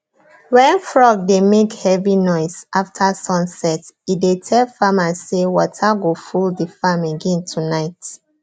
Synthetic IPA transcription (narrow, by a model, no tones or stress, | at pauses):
wɛ̃nfɹɔɡ̚demekhɛvinɔɪsaftʰasɔ̃nsɛtidetʰɛlfamasewɔtʰaɡofuldifãmeɡɛ̃ntʰunaɪt